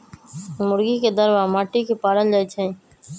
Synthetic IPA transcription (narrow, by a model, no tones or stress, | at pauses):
mʊɾɡiːked̪əɾʋaːmaːʈiːkeːpaːɾəld͡ʒət͡ʃʰẽː